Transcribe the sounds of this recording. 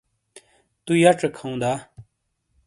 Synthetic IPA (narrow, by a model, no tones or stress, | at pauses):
t̪ujɐʈ͡ʂɐkʰɐũd̪aː